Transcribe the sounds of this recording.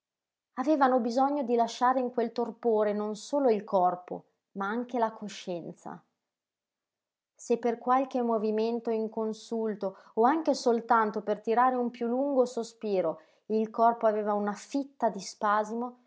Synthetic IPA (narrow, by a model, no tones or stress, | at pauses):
aveːvanobizɔɲːod̪ilaʃaːɾeiŋkwelt̪orpoːɾenonsoːloilkɔrpo̰ | maaŋk̟elakʰoʃːɛnt̪sa̰ | sepːerkwalk̟emːoviment̪oiŋkonsult̪oː | aŋkesolt̪ant̪opert̪iɾaːɾeumpjulːuŋɡosospiːɾo | ilkɔrpoaveːvaunafit̪ːad̪ispaːzimo